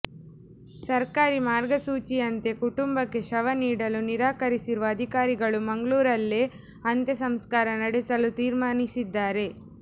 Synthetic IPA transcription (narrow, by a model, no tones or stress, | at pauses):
sɐɾkaːɾimaːɾɡɐsuːt͡ʃijɐnt̪e̞kuʈumbɐkːe̞ʃɐʋɐniːɽɐluniɾaːkɐɾisiɾuʋɐːd̪ʱikaːɾiɡɐɭumɐŋɡɭuːɾɐlːeː | ɐnt̪jɐsɐmskaːɾɐnɐɽesɐlut̪iːɾmaːnisid̪ːaːɾe̞